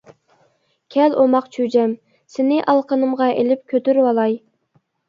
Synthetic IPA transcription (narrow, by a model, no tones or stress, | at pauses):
kʲʰɛlomɑqt͡ʃʰyd͡ʒɛm | sɪnɪʔɑlˠqʰənɨmʁɑʔelɪp̚kʲʰøt̪yɾwɑlˠɑj